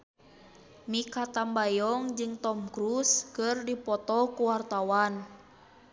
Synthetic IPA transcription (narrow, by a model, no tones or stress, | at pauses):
mikat̪ambajɔŋd͡ʒɨŋt̪ɔmkɾuskərdipɔt̪ɔkuwart̪awan